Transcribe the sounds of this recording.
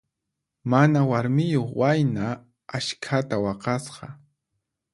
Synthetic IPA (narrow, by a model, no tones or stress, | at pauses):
manawaɾmɪjoχwajna | aʃkʰat̪awɑqɑsqɑ